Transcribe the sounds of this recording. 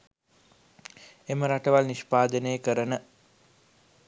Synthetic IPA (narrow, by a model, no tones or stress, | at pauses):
eməɾaʈəʋalniʃpaːd̪ənejəkəɾənə